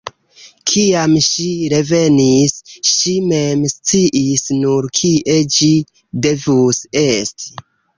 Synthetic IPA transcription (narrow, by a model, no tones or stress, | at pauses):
kʰiamʃiɾe̞ve̞nisʃime̞mst͡siʔisnuɾkʰiʔe̞d͡ʒi | de̞vuse̞sti̥